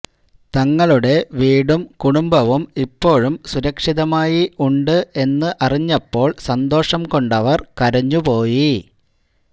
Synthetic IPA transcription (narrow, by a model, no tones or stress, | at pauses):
t̪ɐŋːɐɭuɽe̞ʋiːɽumkuɽumbɐʋumipːo̞ːɻumsuɾɐkʂiðɐmaːjiuɳɖɨʔe̞nːɨʔɐriɲːɐpːo̞ːɭsɐnd̪o̞ːʂɐmko̞ɳɖɐʋɐrkɐɾɐɲːupo̞ːji